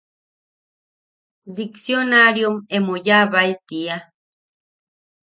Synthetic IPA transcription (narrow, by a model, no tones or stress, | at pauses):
d̪iksjonaɾjomemujaβajt̪ia